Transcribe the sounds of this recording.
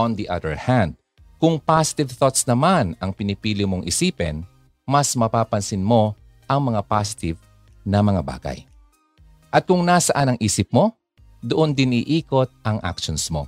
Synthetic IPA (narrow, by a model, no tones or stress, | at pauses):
ɔnd̪iʔɐ̰d̪ɛɹhand̪̚ | kʊŋpasɪ̥t̪ɪvθot̪snɐmanɐŋpɪnɪpiːlɪmoŋʔɪsiːpɛ̰n | mɐsmɐpaːpɐnsɪnmo̞ | ʔɐŋmɐŋapasɪ̥t̪ɪv | nɐmɐŋaba̰ːɡɐ̰j | ʔɐt̪̚kʊŋnasɐʔanɐŋʔiːsɪp̚mo̞ | d̪ʊʔond̪ɪnɪʔiːko̞t̪̚ʔɐŋʔa̰kʃonsmo̞̰